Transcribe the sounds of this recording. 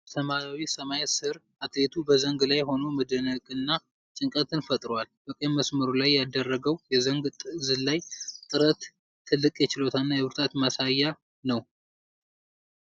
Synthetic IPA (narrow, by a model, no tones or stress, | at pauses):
t̪ʰəmaɾawisəmajsɨɾʔat̪le̞t̪ʰubəzəŋɡlajho̞no̞məd̪ənəkʼɨnːa | t͡ʃʼɨŋkʼət̪ʰɨnfət̪ʼɾowalbəkʼəməsməɾulajːad̪ərːəɡəwjɛzəŋɡt̪ʼzɨlajt̪ʼɨɾət̪ʰː | ɨlːɨkʼjɛt͡ʃɪlot̪ʰanːajɛβɨɾt̪ʰat̪masajːa | nəw